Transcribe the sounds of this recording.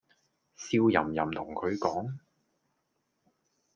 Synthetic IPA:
siː˧wjɐ̰˨˩mjɐ˨˩mt̪ʰʊ˨˩ŋkʰɵ˨˧ɥkɔː˨˥ŋ

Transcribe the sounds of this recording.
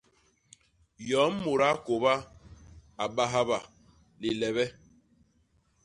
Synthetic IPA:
jɔ˨˦m˦mo˨ɾa˦ko˨ba˦ | a˨ɓa˦ɦa˦ba˨ | li˨lɛ˨βɛ˦

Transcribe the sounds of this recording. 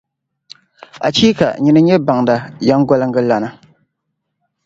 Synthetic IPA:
a̰˨t͡ʃi˦ka̰˨ɲi˨nɨ˦ɲɛ˦ba˨ŋda˨ja˦ŋ˦ɡɔ˦lɨ˦ŋɡɨ˦la˨na˦

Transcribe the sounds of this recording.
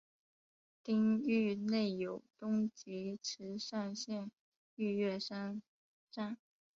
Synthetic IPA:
t̪i˥ŋy˥˧ne˥˩ɪjo˨˩ʊt̪ʊ˥ŋt͡ɕi˧˥ʈ͡ʂʰɻ̩˧˥ʂa˥˧nɕjɛ˥˧n | y˥˧ɥɛ˥˩ʂa˥n | ʈ͡ʂa˥˩n

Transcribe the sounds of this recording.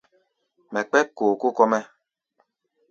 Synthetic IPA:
mɛ˨k͡pɛ˦koː˨ko˦kɔ˦mɛ˦

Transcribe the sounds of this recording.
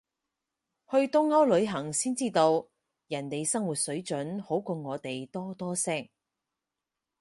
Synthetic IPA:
hɵ˧ɥt̪ʊ˥ŋːɐ˥wlɵ˨˧ɥɦɐ˨˩ŋsiː˥nt͡siː˥t̪o˧w | jɐ˨˩nt̪e˨jsɐ˥ŋwuː˨t̚sɵ˨˥ɥt͡ʃɵ˨˥nho˨˥wkɔː˧ŋɔː˨˧t̪e˨jt̪ɔː˥t̪ɔː˥sɛː˥ŋ̚

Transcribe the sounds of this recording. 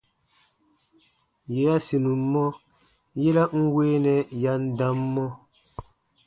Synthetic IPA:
je˨ja˦si˨nũ˨mː˦ɔ˦ | jɛ˦la˦ŋ̩˦weː˦nɛ˨ja˦ndã˦mːɔ˦

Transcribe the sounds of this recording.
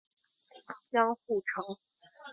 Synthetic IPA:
t͡ɕjɑ˥ŋxu˥˩ʈ͡ʂʰɤ˧˥ŋ

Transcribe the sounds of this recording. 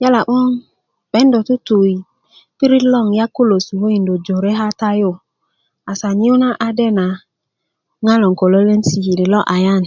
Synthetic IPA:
ja˦la˨ʔɔ˦ŋ | bɛ˨˦n˦do˨tu˦tu˨i˨ | pi˦ɾi˦lɔ˦˨ŋja˦ko˦lo˨su˨ho˦i˨n˨do˨d͡ʒo˨ɾe˦ɦa˦ta˦jo˦˨ | a˨sa˨ɲi˦o˦na˦ʔa˨dɛ˦na˨ | ŋa˦lɔ˨ŋ˨ko˨lɔ˦le˦n̩˦si˨hi˨di˨lɔ˦ʔa˨ja˦˨n˨

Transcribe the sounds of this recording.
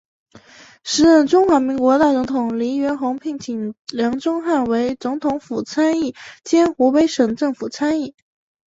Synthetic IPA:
ʂɻ̩˧˥ə˥˩nʈ͡ʂʊ˥ŋxwa˧˥mi˧˥ŋkwɔ˧˥t̪a˥˩t͡sŋt̪ʰʊ˨˩ŋli˧˥ɥɛ˧˥nxʊ˧˥ŋpʰi˧˥˩ŋt͡ɕʰi˨˩ŋljɑ˧˥ŋʈ͡ʂʊ˥ŋxa˥˩nwe˧˥ɪt͡sʊ˧˥ŋt̪ʰʊ˧˥ŋfu˨˩t͡sʰa˥ni˥˩t͡ɕjɛ˥nxu˧˥pe˥ɪʂɤ˨˩ŋʈ͡ʂɤ˥˩ŋfu˨˩t͡sʰa˥ni˥˩

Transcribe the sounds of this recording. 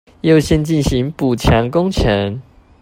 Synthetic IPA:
jo˥˨ʊɕjɛ˥˧nt͡ɕi˥˨nɕi˨˦ŋpu˨˩t͡ɕʰja˨˦ŋkʊ˦ŋt͡ɕʰə˨˦ŋ

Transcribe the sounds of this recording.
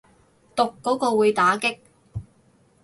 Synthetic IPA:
t̪ʊ˨kːɔː˨˥kɔː˧wuː˨˧jt̪aː˨˥kɪ˥k̚

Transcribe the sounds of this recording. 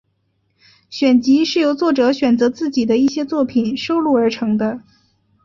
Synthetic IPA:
ɕɥɛ˨˩nt͡ɕi˧˥ʂɻ̩˥˩jo˧˥ʊt͡swɔ˥˩ʈ͡ʂɤ˧˥ɕɥɛ˨˩nt͡sɤ˧˥t͡sɹ̩˥˩t͡ɕi˨˩d̪ə˦i˥˩ɕjɛ˥t͡swɔ˥˩pʰi˨˩nʂo˥ʊlu˥˩ə˞˧˥ʈ͡ʂʰɤ˧˥ŋd̪ə˧

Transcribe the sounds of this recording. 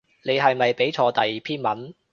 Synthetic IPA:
ne˨˧jɦɐ˨jmɐ˨jpe˨˥jt͡ʃʰɔː˧t̪ɐ˨jːiː˨˩pʰiː˥nmɐ˨˥n

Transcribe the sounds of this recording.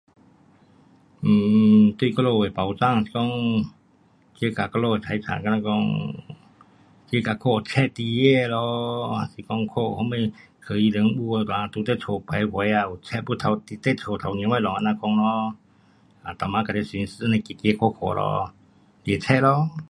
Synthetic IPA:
m̩ː˨˩t̪wi˧˨kɔ˧lo˧˨we˨˩˨pa˨˩wt͡sa˧˨ŋ˨si̥˨˧˨kɔ˧˨ŋ | t͡ɕe˧˦ka˨˩kɔ˧lo˧˨t͡sʰa˨˧˦jt͡sʰa̰˨ka˧nã˧kɔ˧ŋ | ke˧˦˧ka˨˩kʰo˧˨ɔ˨˩t͡ɕʰɛ˧˥ʔt̪i˧je˧˨lɔ˧a˨si˨kɔ˧˨ŋkʰo˧˨hɔ˧˦me˧˩j | kʰə˧˩˨i˧˨lə˧˦ŋɓu˧˨˧t̪wa˨a˧t̪u˧˦t̪e˧˨t͡sʰo˨˩pʰa˨˧˦jhwa˨˧˦ja˧u˨˩t͡ɕʰɛ˧˥ʔpu˧˦˨t̪ʰa˨˧˦t̪i˧t̪e˧˨tʰo˨˩t̪ʰa˨wni˧˦wa˧˨lɔ˨a˧˨nã˧kɔ˧˨ŋlɔ˧˦ | a˨˩t̪a˨˩mã˧ka˨˩t̪e˧˨si˨˧˦nsnã˧˨ki˨˩ke˧˦kʰo˧˨kʰo̰˨˩lɔ̰˧˦ | li˨˩t͡ɕʰɛ˧˥ʔlɔ˧˦

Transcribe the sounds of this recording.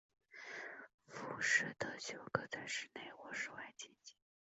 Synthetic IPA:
fu˧˩ʂɻ̩˥˩d̪ə˧ɕjo˧˩ʊkɤ˥˩t͡sa˥˧ɪʂɻ̩˥˩ne˥˩ɪwɔ˧˥ʂɻ̩˥˩wa˥˩ɪt͡ɕɛ˥˩nt͡ɕi̥˥˩˥

